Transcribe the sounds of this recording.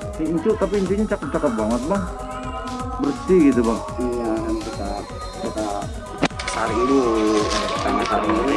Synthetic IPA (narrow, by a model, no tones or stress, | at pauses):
iiɲt͡ʃut̪apiːɲt͡ʃuɲat͡ʃakət͡ʃakət̪̚baŋət̪̚baŋ | bərst̪iɡit̪ubaŋ | ijankit̪a | kit̪a | kaɾɪŋduaat̪aŋakaɾɪŋdu